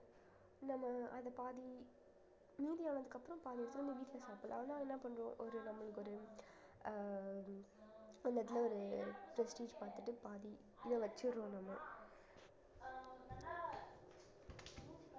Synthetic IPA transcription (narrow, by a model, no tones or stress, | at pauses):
nɐmːɐʔɐðɐpaːði | miːðijaːnɐðɯkːɐpːɯɾɐ̃mpaːðiʋɐɾɯt̪ːɪnd̪ɐʋiːʈːɪlɐsaːpɯl̰ɐʋɐnːãːɛnːɐpɐɳɾõʔɔɾɯnɐmːɐɭɯkːɔɾɯ | ɛlːɐt̪̬ːɪlɐɔɾɯpɾɛsʈiːd͡ʒpaːɾt̪ɯʈːɯpaːði | nɐʋɐt͡ʃːɯɾɾõːnɐmːɐ